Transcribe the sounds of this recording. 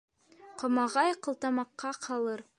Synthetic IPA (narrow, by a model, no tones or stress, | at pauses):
qŏmɑʁɑjqɤ̆lˠt̪ɑmɑqːɑqʰɑlˠɤɾ